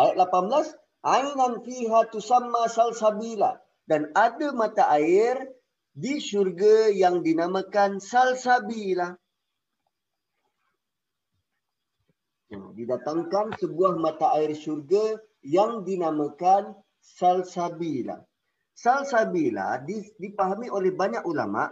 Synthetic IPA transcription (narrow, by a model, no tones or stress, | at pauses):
ʔajat̪̚lapanbəlas | ʔainanfiɦat̪usamːasalsabila̰h | danadamat̪aʔaɪr | diʃurɡajaŋdinamãkansalsabilah | ja̰didat̪aŋkansəbuahmat̪aʔaɪrʃurɡa | jaŋdinamakan | salsabila̰h | salsabila̰hdidipaɦamiʔolɛhbaɲakula̰ma̰ʔ